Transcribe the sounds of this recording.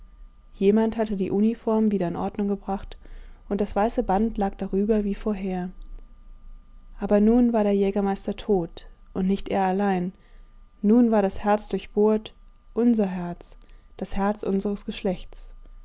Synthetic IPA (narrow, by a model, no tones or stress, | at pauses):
jeːmanthatədiːʔunifɔɐmviːɾɐɪnʔɔɐdnʊŋɡəbʁaχtʔʊntd̥asv̥aɪsəbantlaːk̚d̥aʁyːbɐviːfoːɐɦeːɐ | ʔaːbɐnuːnvaːɐɾeːɐjɛːɡɐmaɪstɐtʰoːtʔʊntnɪçtʔḛːɐalaɪnː | uːnvaːɐɾashɛɐt͡sd̥ʊɐçb̥oːɐt | ʔʊnzɐɦɛɐt͡sd̥ashɛɐt͡sʔʊnzəʁ̞əsɡ̥əʃlɛçtt͡s